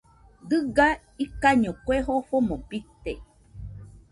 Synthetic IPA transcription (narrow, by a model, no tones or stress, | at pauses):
d̪ɨɡa | ikaɲõkʷeɦoɸomõpit̪e